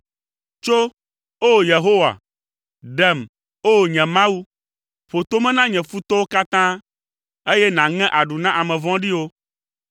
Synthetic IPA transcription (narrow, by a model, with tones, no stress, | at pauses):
t͡ʃo˦ | o˦˨je˨ɦo˦wa̰˨ | ɖɛ˦˨m | o˦˨ɲɛ̃˨mã˦wu˦ | ɸo˨t̪o˦mɛ̃˦nã˦ɲɛ̃˨fu˦t̪ɔ˦wo˦ka˦t̪ã˦ | e˦jɛ˦nã˨ŋɛ̃˦ʔa˨ɖu˨nã˦ʔa˨mɛ̃˨vɔ̃˦ɖi˦wo˦